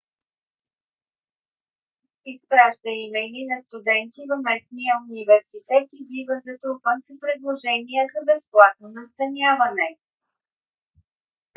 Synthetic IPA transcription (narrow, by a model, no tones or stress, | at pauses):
ispɾaʒd̪əimɛninɐst̪ud̪ɛnt̪ivɐmɛsnijəunivɛɾsit̪ɛt̪ibivəzɐt̪ɾupənspɾɛd̪lˠoʒɛnijəzɐbɛsplˠat̪̚nonɐst̪ɐnʲjavɐnɛ